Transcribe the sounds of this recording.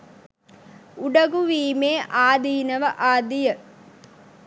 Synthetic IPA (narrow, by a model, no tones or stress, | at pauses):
uɖɐɡuʋiːmeːʔaːd̪iːnəʋəʔaːd̪ijə